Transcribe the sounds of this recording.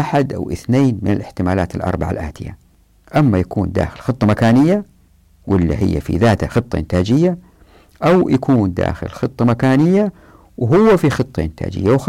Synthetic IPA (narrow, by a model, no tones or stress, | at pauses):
ʔaħad̪ʔa̰wʔɪθneːnmɪnɪlʔɪħt̪ɪmaːla̰ːt̪alʔɑ̰ɾˤbaʕa̰lʔa̰ːt̪ɪja̰ | ʔamːajakuːnd̪a̰ːxɪlxɨt̪ˤːɑmakaːnɪjːa | wʔɪlːḭhɪ̰jːa̰fḭðaːt̪haxɨt̪ˤːɑ̰ʔɪnt̪aːd͡ʒɪjːa | ʔawjʔakʰuːnd̪a̰ːxɪ̰lxɨt̪ˤːɑmakaːnɪjːa | wɦʊwːafixɨt̪ˤːɑʔɪnt̪ʰa̰ːd͡ʒɪ̰jːawx